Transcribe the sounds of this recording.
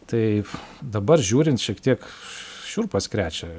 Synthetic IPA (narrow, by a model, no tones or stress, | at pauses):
t̪ɐɪd̪ɐbɐrʒʲuːɾʲɪnt̪ʃʲiɛkt̪ʲiɛkʃʲuːrpɐskɾʲæːt͡ʃʲɛ